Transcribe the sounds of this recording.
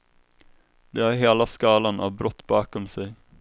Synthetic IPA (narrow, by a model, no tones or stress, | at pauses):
d̪ɛæːɾɦeːlaskɑːlanʔɑ̰ʋbɾɔt̪ːbɑːkɔmsɛɪ